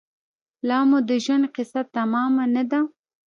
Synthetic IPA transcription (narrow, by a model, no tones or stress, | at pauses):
lɑmud̪əʒwanqɪsat̪ːamɑmanad̪a